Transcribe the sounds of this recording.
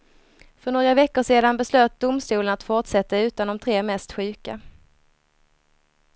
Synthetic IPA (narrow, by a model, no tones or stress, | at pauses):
fœɳoːɡɾavɛkːʊʂeːd̪anbɛsløːt̪̚d̪ʊmst̪uːlənat̪fʊʈʂɛt̪ːaʉ̟ːt̪and̪ɔmt̪ʰɾeːmɛst̪ɧʉ̟ːka